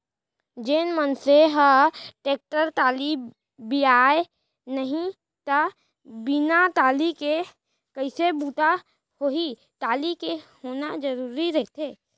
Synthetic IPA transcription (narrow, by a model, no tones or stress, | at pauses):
d͡ʒenmənseɦəʈeːk̚ʈəɾt̪aːli | biaːe | nəɦĩ | t̪ə | bɪnat̪aːlike | kəɪsebuːt̪a | hoɦi | t̪aːlikehoːnad͡ʒəɾuːɾiɾəɦt̪eː